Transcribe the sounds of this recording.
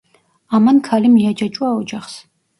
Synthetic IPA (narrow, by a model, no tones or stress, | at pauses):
amɐnkʰalimijad͡ʒat͡ʃʼwaːɔd͡ʒaχs